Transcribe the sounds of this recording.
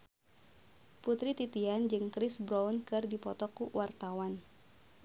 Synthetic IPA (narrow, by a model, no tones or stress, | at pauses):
put̪ɾit̪it̪iand͡ʒɨŋkɾɪsbɾaunkɨrdipɔt̪ɔkuwʔart̪awan